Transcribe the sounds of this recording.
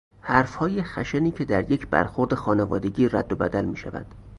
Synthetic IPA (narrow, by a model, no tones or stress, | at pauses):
hæɾfhɒːjexæʃeniːcʰe̞d̪æɾje̞cʰbæ̰ɾxo̞ɾd̪e̞xɒːnevɒ̰ːd̪e̞ɟiːræd̪ːobæ̰d̪ælmiːʃæ̰væ̰d̪̥